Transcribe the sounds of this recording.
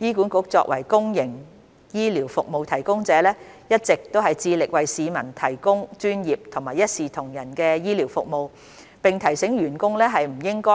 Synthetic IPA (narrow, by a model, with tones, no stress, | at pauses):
jiː˥kuː˨˥nkʊ˨˥k̚t͡sɔ̰ː˧k̚wʔɐ˨˩jkʊ˥ŋjɪ˨˩ŋ | jiː˥liː˨˩wfʊ˨k̚mo˨˧wt̪ʰɐ˨˩jkʊ˥ŋt͡sɛː˨˦lɛː˥ | jɐ˥t̚t͡sɪ˨k̚t̪o˥wɦɐ˨jt͡siː˧lɪ˨k̚wɐ˨jsiː˨˧mɐ˨˩nt̪ʰɐ˨˩jkʊ˥ŋt͡ʃyː˥njiː˨p̚t̪ʰʊ˨˩ŋmaː˨˩jɐ˥t̚siː˨t̪ʰʊ˨˩ŋjɐ˨˩nkɛː˧jiː˥liː˨˩wfʊ̰˨k̚mo˨w | pɪ˨ŋt̪ʰɐ˨˩jsɪ˨˥ŋɥyː˨˩nkʊ˥ŋlɛː˥ɦɐ˨jm̩˨˩jɪ˥ŋkɔː˥